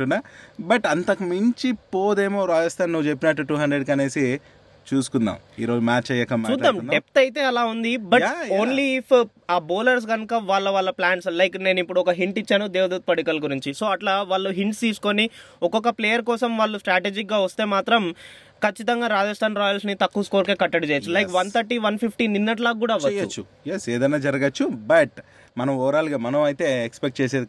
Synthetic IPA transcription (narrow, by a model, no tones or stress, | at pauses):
unabɐʈɐnt̪ɐkɐmɐɲt͡ʃipoːd̪e̞ːmoːɾaːd͡ʒɐsʈt̪ʰaːnnuʋːut͡ʃepːinɐʈːuʈuːɦɐɳdɾeɖkɐne̞ːsi | t͡ʃuːsu̥kunːa̰ːmḭːɾoːd͡ʒumaːt͡ʃt͡ʃɐjɐkɐmːud̪aːmɖ̪ep̚t̪ɐjit̪e̞ːɐlaːund̪ibɐo̞ːnliːpʰ | aːboːlɐɾs̬ɡɐnukɐʋaːɭːɐʋaːɭːɐplaːɳʈslɐjkne̞ːnipːuɽuɔkɐɦiɳʈit͡ʃːaːnud̪eːʋɐd̪uːt̪̚pɐɽukɐlɡuɾiɲt͡ʃiso̞ːɐʈlaːʋaːɭːuɦiɳʈst̪iːsu̥koniɔkɔkɐpleːjɐɾkɔːsɐmʋaːɭːusʈɾaːʈeːd͡ʒik̚ɡaːʋɐst̪e̞ːmaːt̪ɾɐm | kɐt͡ʃːit̪ɐŋɡaːɾaːd͡ʒɐsʈʰaːnɾɔːjɐlsnit̪ɐkːuskoːɾke̞ːkɐʈːɐɽut͡ʃɛːjɐt͡ʃːulɐjkʋɐnt̪ʰɐɾʈiːʋɐnpʰipʰʈiːninːɐʈ̬laːkuːɽaːiʋɐt͡ʃt͡ʃɐut͡ʃːu | jeseːd̪ɐnaːd͡ʒɐɾɐɡɐt͡ʃːubɐʈ | mɐnɐmɔːɾaːliɡaːmɐnɐmɐjt̪e̞ːekspek̚ʈ̚t͡ʃeːseːd̪i